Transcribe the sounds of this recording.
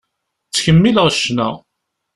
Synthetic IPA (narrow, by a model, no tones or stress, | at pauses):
t͡sːçəmːilʁəʃːnæ